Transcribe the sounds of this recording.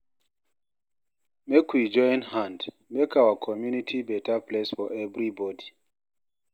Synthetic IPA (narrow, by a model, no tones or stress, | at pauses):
mekwid͡ʒɔ̃j̃nhãnd | mekʰawəkʰɔmjunitʰibɛtəplesfɔʔɛvɹibɔdi